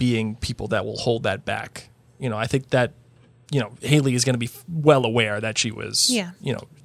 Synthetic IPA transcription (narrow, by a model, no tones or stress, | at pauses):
b̥iɪ̃ŋpʰipl̩ˠðɨ̰t̚wɪ̰lˠhoʊlˠd̪̚ðɨt̚b̥æ̰k | jɨñoʊaɪθɪ̃ŋk̚ðɨt̚ | jɨnoʊheɪlˠiɨzɡʌnɨbiwɛlˠəwɛɹðɨtʃiwʌ̰z̥jæjɨño̰ʊ